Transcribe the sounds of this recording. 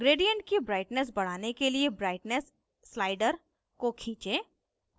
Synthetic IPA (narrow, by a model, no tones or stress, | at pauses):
ɡɾeːɖijə̃ɳʈkibɾaːɪʈnɛs̬bɐɽ̤aːnekeliebɾaːɪʈnɛsː | laːɪɖəɾ | kokʰĩːt͡ʃe